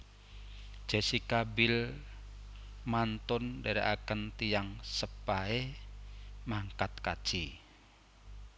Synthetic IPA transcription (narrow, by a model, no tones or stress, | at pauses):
d̥ʒ̥a̤sikabɪl | mant̪ʊndaɾiʔakənt̪ijaŋsəpae | maŋkat̪̚kad̥ʒ̥i